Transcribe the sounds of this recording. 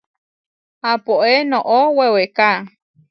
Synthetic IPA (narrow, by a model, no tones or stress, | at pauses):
apoʔenõʔoweweka